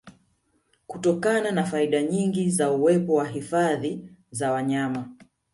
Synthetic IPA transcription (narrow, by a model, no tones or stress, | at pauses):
kutɔkananafaiɗaɲiŋɡizauwɛpɔwaɦifaðizawaɲama